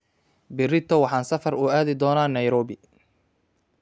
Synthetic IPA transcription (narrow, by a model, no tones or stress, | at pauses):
bɪrɪt̪ʰɔwɑħɑːnsɐfɐrʊaːðɪd̪ɔːnaːnɐjɾɔːbɪ